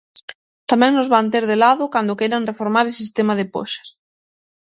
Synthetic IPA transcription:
t̪amɛ̃ŋnʊzβant̪̬eɾðelaðʊkand̪ʊkɛɾanrefoɾmaɾesist̪emaðɪpo̰ʃḁs

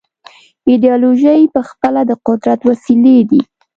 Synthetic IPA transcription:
ɪd̪jɑloʒəjpəxpəlad̪əqʊd̪ɾat̪wasiled̪i

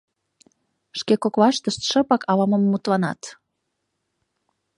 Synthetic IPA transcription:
ʃkekokβɑʃt̪əʃt̪ʃə̆pɑkɑlɑməmːut̪lɑnɑ̰t̪

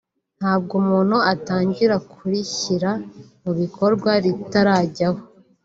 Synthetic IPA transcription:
n̥haːb̚ɡumuːn̥huataːɲɟiɾakʰuɾiçiɾamuβikʰo̞ɾɡwaɾitaɾaːɟaho

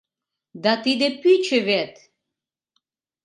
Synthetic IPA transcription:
d̪ɑt̪id̪epyt͡ɕəβet̪

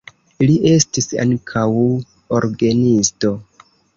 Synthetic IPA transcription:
iliʔe̞stisa̰ŋkʰaw | oɾɡanisto̞

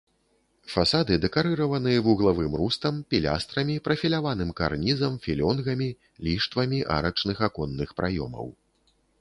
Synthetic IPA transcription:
fasad̪ɨd̪ɛkaɾɨɾɐvɐnɨjɐvuɣlˠavɨmrust̪ɐmpʲilʲa̰st̪ɾɐmʲipɾɐfʲilʲavanɨmka̰rnʲizɐmfʲilʲɔnɣɐmʲi | lʲiʂt̪vɐmʲiʔa̰ɾɐt͡ʂnɨxakɔnːɨxpɾʔajɔ̰mɐ̰w

